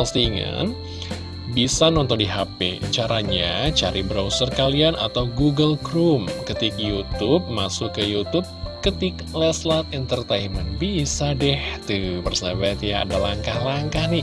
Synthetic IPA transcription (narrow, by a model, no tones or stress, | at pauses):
pəst̪iːŋa̰n | bisanɔnt̪ɔndiɦapḛt͡ʃaɾaɲat͡ʃaɾʔibɾausərkaliana̰t̪awɡuɡəlkɾumkət̪ɪk̚jut̪up̚masʊkːəjut̪up̚kət̪ɪk | lɛslat̪̚int̪ərt̪ajnmənbisadɛht̪upərsawat̪jaa̰dalaŋkahlaŋkahnɪ